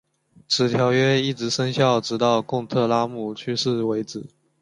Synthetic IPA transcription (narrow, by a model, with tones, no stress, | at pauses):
ʈ͡ʂʰɹɻ̩˨˩t̪ʰjɑ˧˥ʊɥɛ˥i˥˩ʈ͡ʂɻ̩˧˥ʂə˥ŋɕjɑ˥˩ʊʈ͡ʂɻ̩˧˥t̪ɑ˥˧ʊkʊ˥˧ŋt̪ʰɤ˥˩la˥mu˥˩t͡ɕʰy˥ʂɻ̩˥˩we˧˥ɪʈ͡ʂɹɻ̩˨˩˦